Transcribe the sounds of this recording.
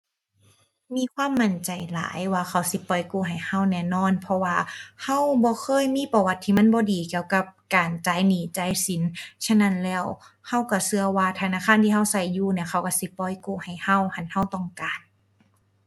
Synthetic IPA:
miː˧˥˨kʰwaː˧˥˨mːa˧˩˨nt͡ɕa˨˩jla̰ː˨˦jwaː˧xʰa˧˩wsi˧˦pɔ˧˩jkuː˧˩ɦa˨˩jha˧˩˨wnɛː˧˩nɔː˧˥˨npʰɔ˧waː˧ha˧˥˩wbɔː˧˦xʰɤː˧˥˨jmiː˧˥˨pɔ˧˩wa˧t̪ʰːiː˧ma˧˥˨nbɔː˧˦diː˨˩ki˧əwka˧p̚kaː˨˩nt͡ɕaː˨˩˦jniː˨˦t͡ɕa˧˥˦jsi˨˦nt͡ɕʰa˧˥˨na˧˥˨nlɛː˧˩w | ha˧˩˨wka˧˩sɯ˧ɐwaː˧˩t̪ʰa˧naː˧˨xʰaː˧˥˨nt̪ʰiː˧˨ɦa˧˥˩wsa˧˩jːuː˧˩ni˧ɐxʰa˧˩wka˧˩si˧˦pɔ˧˩jkuː˧˩ha˨˩jha˧˥˩wha˧˩nha˧˩˨wt̪ɔ˧˩˨ŋkaː˨n

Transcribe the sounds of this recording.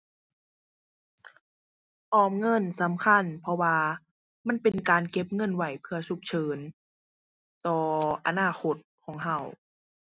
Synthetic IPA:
ʔɔː˧˩m̚ŋɤ˧˥˨nsa˨˦mkʰa˧˥˨npʰɔ˧waː˧ | ma˧˥˨npe˧nkaː˨˧nke˧˥p̚ŋɤ˧˥˨nwa˧˩jpʰɯ˧ɐsu˧˦k̚t͡ɕʰɤː˨˧n | t̪ɔː˧ʔa̰˧naː˧˩xʰo˧˦˥t̪̚kʰɔː˩˦ŋɦa˧˩w

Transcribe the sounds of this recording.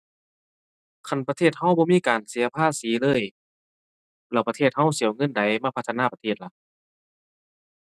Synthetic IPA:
kʰa˧˩˨npa˧t̪ʰeː˧˩t̪̚ha˧˩wbɔː˧˦miː˧˥˨kaː˨˩nsi˨˦ɐpʰaː˧˥˨siː˨˦lɤː˧˥˨j | lɛː˧˩wpa˧eː˧˩t̪̚ha˧˥˩wsi˨˦wŋɤ˧˥˨nda˨˦jmaː˧˩pʰa˧˥t̪ʰːaː˧˥pa˧t̪ʰeː˧˩t̪̚la˧˩ʔ

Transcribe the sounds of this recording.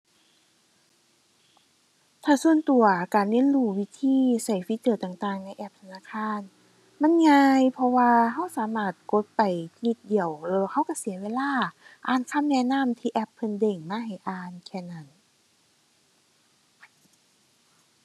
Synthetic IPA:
t̪ʰaː˧˩su˧˥ənt̪u˨˩ɐkaː˨˩nnɯ˧˥˨nduː˧˩wi˧˩t̪ʰiː˧˥˨sa˧˩jfi˧˥sɯː˧˩t̪aː˨˩ŋt̪aː˧˩ŋna˧jʔɛ˧˩p̚t̪ʰa˧naː˧˨kʰaː˧˥˨n | ma˧˥˨nŋaː˧jpʰɔ˧waː˧ɦa˧˥˩wsaː˨˦maː˧˩t̪̚ko˧˦t̪̚pa˨˩jni˧˦t̪̚di˨˩əwlɤː˧ha˧˥˨wka˧˥˩si˨˦ɐweː˧˨laː˧˥˩ʔaː˨˩nkʰa˧˥˨mnɛː˧˨naː˧˥˨mt̪ʰiː˧ʔɛ˧˩pʰːɤ˧˨nde˨˩ŋmaː˧˥˨ɦa˨˩jʔaː˨˩nkʰɛː˧˩na˧˩˨n

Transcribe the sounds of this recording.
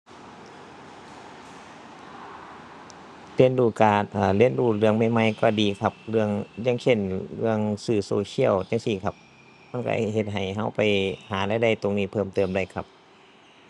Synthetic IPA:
le˧˥˨nduː˧˩kaː˨˩nʔaː˧˩le˧˩˨nduː˧˩lɯ˧˩əŋma˧˩jma˧˩jkɔː˧˩diː˨kʰa˧p̚lɯ˧˩əŋjaː˧˥˨ŋsʰe˧˩˨nlɯ˧əŋsɯː˧˩soː˧˦sʰi˧˥˩əwt͡ɕa˧ŋsi˧˨kʰa˧p̚ | ma˧˥˨kɔ̰˧˩he˧˦t̪̚ɦa˨˩jɦa˧˥˩wpa˨˩jhaː˨˦da˧˨da˧˩jt̪o˧˨ŋniː˧˩pʰɤː˧˩˨mt̪ɤː˨˧˩mda˧˩˨jkʰa˧˥p̚

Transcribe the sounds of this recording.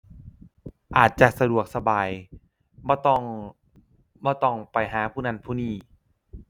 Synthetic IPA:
ʔaː˨˩t̪̚t͡ɕa˨˩ʔsa˧du˨˩ək̚sa˧baː˨˩j | bɔː˧˦t̪ɔ˧˩ŋ | bɔː˧˦t̪ɔ˥˩ŋpa˨jɦaː˩˦pʰuː˥˩na˧˥˩npʰuː˥˩niː˥˩

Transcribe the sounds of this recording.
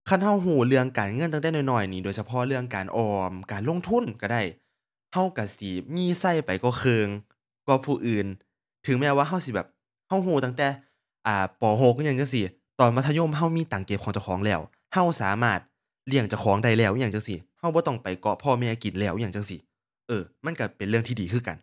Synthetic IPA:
kʰa˧˥˨nha˧˥˨wɦuː˧˩lɯ˧əŋkaː˨˩nŋɤ˧˨nt̪a˧t̪ɛː˧˨nɔː˧˩jnɔː˧˩jniː˧˩doː˨jsa˧pʰɔ˧˥lɯ˧əŋkaː˨˩nʔɔː˧˩mkaː˨˩nlo˧˥˨ŋt̪ʰu˧˥˨nka˧˩da˧˩j | ha˧˥˩wka˧˩si˧miː˧˥˨sa˧˩˨jpa˨jkɔː˧˩kʰɤː˧ŋ | kɔ˧˩pʰuː˧˩ʔɯː˨˩n | t̪ʰɯ˨˦ŋmɛː˧waː˧ɦa˧˥˨wsi˧˦bɛː˨˩p̚ | ha˧˥˩wɦuː˧˩t̪aː˧˩ŋt̪ɛː˧˦ | ʔaː˨˩pɔː˨˩ɦo˧˦k̚ɲa˧˩ŋt͡ɕa˧˨ŋsi˧ | t̪ɔː˨nma˧t̪ʰɲo˧˥˨mɦa˧˥˩wmiː˧˥˨t̪aː˨˩ŋke˧p̚kʰɔː˨˦ŋt͡ɕa˨˩wkʰɔː˨˦ŋlɛː˧˩˨w | ha˧˥˩wsaː˨˦maː˧˩t̪̚ | li˧˩əŋt͡ɕa˧˩wkʰɔː˨˦ŋda˧˩jlɛː˧˩wɲaː˧˩ŋt͡ɕa˧˨ŋsi˧˩ha˧˩wbɔː˧˦t̪ɔ˧˩ŋpa˨˩jkɔ˧pʰɔː˧mɛː˧˩ki˨˩nlɛː˧˥˩wɲaː˧˩ŋt͡ɕa˧˨ŋsi˧˦ | ʔɤː˧˩ma˧˥˨nka˧˩pe˨nlɯ˥˩əŋt̪ʰiː˧diː˨˩kʰɯː˧˩ka̰˨˩n

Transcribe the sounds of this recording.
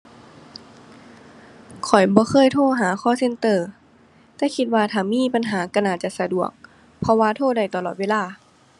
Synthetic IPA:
kʰɔ˨˩jbɔː˧˦xʰɤː˧˥˨jt̪ʰoː˥˩˨ɦaː˨˦xʰɔː˧˥˨se˧˥˨nt̪ɤː˧˩ | t̪ɛː˧˩kʰi˧t̪̚waː˧t̪ʰaː˨˩miː˧˥˨pa˧˨nɦaː˩˦ka˧˩naː˧˩t͡ɕa˧˨sa˧du˨˩ək̚ | pʰɔ˧waː˧˨t̪ʰoː˧˥˨da˧˩jt̪a˧lɔː˨t̪̚weː˧˨laː˧˨

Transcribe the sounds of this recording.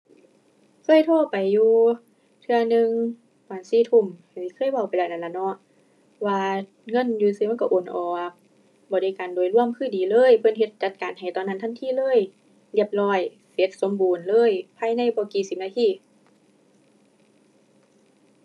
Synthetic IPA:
su˧˩˨jt̪ʰoː˧˥˩pa˨jːuː˧ | t̪ʰɯ˧ɐnɯ˧ŋ | waː˨˩nsiː˧˩t̪ʰu˧˩˨mha˨˩siː˧˩kʰɤː˧˥˨jwa˧˩wpa˨lɛː˧˩na˧˩la˧˩˨nɔ˧˥˦ʔ | waː˧ | ŋɤ˧˥˨njuː˧siː˧ma˧˥˨kɔ˧˩ʔoː˨˩nʔɔː˧˩k̚ | bɔː˧˦da˧˩jkaː˨ndu˨˩əjlu˧˥˩əmkʰɯː˧˥˨diː˨˩lɤː˧˥˨jpʰɤ˧˥˨nɦe˧t̪̚t͡ɕa˧t̪̚kaː˨nɦa˨˩jt̪ɔː˧˨nːa˧˥˨nʰ˧˥˩nt̪ʰiː˧˥˨lɤː˧˥˨j | li˧˩əp̚lɔː˧˩j | se˨˦t̪̚so˨˦mbuː˨˩nlɤː˧˥˨jpʰaː˧˥˨jna˧˥˨jbɔː˧˦kiː˨˩si˧˩p̚naː˧t̪ʰiː˧˩˨

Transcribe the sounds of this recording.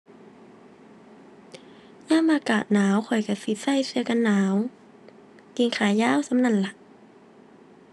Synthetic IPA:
ɲaː˥˨mʔaː˧kaː˨˩t̪̚naː˨˦wkʰɔ˨˩jka˧˩fi˧t̪̚sa˧˥˨jsɯ˧˦əka˧˨nːaː˨˦w | k̪iː˧˩nkʰaː˨˩jːaː˧˥˨wsa˧˦mna˧˩˨nla˧˩ʔ

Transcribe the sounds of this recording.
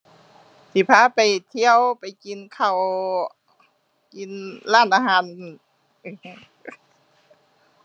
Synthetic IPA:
sʰi˧˩pʰaː˧˥˨pa˨˩jt̪ʰi˧˥˨ə˨wpa˨˩jki˧˨nkʰa˨˩w | ki˧nlaː˧˥˨nʔaː˧ɦaː˨˧˥nː˧˩˧

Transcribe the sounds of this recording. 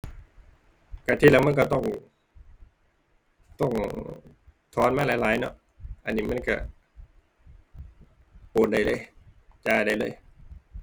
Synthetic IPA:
kaː˧˩t̪ʰiː˧laː˧˩m˧˥˨kɔ˧˩t̪ɔ˧˥˩ŋ | t̪ɔ˧˩ŋ | t̪ʰɔː˨˥nmaː˧˥˨laː˨˧˥laː˨˦jnɔ̰˧˥ʔ | ʔa˧˨nːiː˧˩ma˧˥˨nka˧˩ | poː˨˩t̪̚da˨˩jlɤː˧˥˨jt͡ɕaː˧˩da˨˩jlɤː˧˥˩j

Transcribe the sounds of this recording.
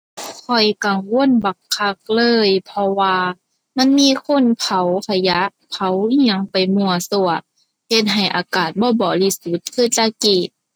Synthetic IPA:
kʰɔ˨˩jka˨˩ŋwo˧˨ə˨nba˨˩ŋʰːa˧˥k̚lɤː˧˥˨jpʰɔ˧waː˧ | ma˧˥˨nmiː˧˥˨kʰo˧˥˨npʰa˨˦wkʰa˧ja˧˦ʔ | pʰa˨˦wi˧˦ŋpa˨jmu˧˩ɐsu˧˩ɐ | he˧t̪̚ɦa˨˩jʔa̰ː˨˩kaː˨˩t̪̚bɔː˧˦bɔː˧˩li˧su˧˦t̪̚kʰɯː˧˩˨t͡ɕa˧kiː˧˩t̚

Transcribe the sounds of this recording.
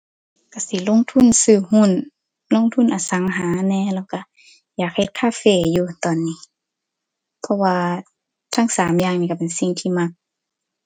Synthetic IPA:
ka˧˩si˨˦lo˧˥˨ŋt̪ʰu˧˥˨nsɯː˧˩hu˧˥˨n | lo˧˥˨ŋt̪ʰu˧˥˨nʔaː˨sa˨˦ŋɦaː˨˦nɛː˧˨lɛː˧˩˨wka˧˩ | jaː˨˩k̚he˧˨t̪̚kʰaː˧˥˨feː˧˩juː˧t̪ɔː˨nːiː˧˩˨ | pʰɔ˧waː˧ | t̪ʰaː˧˥˨ŋsaː˨˦mjaː˧˨ŋniː˧ka˧˩pe˨nsi˧˨ŋt̪ʰiː˧ma˧k̚

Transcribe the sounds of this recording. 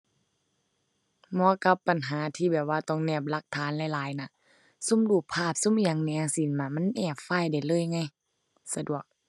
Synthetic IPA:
mɔː˧˦ka˧˦pːa˨nɦaː˨˦t̪ʰiː˧˩bɛː˨˩p̚waː˧t̪ɔ˧˩ŋnɛː˧˩p̚la˧˩k̚t̪ʰaː˨˦nlɛ˧˩˨laː˨˦jna˧˩˨ | su˧˥˨mduː˧˩k̚pʰaː˧˩p̚su˧˥˨mi˧ja˨˧˦ŋnɛ˧˦˨si˨˦nmaː˧˩ma˧˥˨nʔɛː˧˩p̚faː˧˩˨jda˨˩jlɤː˧˥˨jŋa˧˥˨j | sa˧du˨˩ək̚

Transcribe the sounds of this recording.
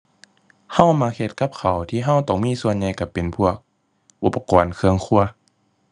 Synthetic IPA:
ha˧˩˨wmaː˧˦kʰe˧t̪̚ka˧˥p̚kʰa˨˩wt̪ʰiː˧˨ɦa˧˩˨wt̪ɔː˧˩ŋmiː˧˥˨su˧ənɲa˧jka˧˩pe˨npʰu˧˥˩ɐək̚ | ʔu˧˩pːa˧kɔː˨nkʰɯ˧əŋkʰu˧˩ɐ

